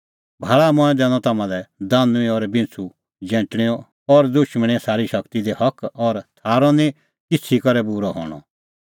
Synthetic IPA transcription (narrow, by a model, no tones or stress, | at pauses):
bʱaːɭamʊ̃ɛ̃d̪ɛːɽ̃ɔ̃t̪ɐːmãlɛd̪aːnũĩɔɾbɪ̃nt͡sʰu | d͡ʒɛ̃ːʈɽ̃iɔ̃ | ɔɾd̪ʊʃməɽ̃iɛ̃saːɾiʃɐkt̪id̪ehɐkɔɾt̪ʰaːɾɔ̃nĩ | kɪt͡sʰikɐɾɛbuːɾɔɦɔ̰ːɽ̃ɔ̰